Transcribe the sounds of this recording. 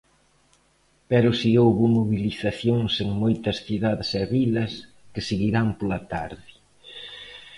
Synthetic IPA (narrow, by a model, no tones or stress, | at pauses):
pɛɾʊsiowβʊmoβiliθaθjoŋseŋmojt̪ɐsθiðaðɪsɛβilɐs | kɪseɣiɾampolɐt̪a̰ɾðɪ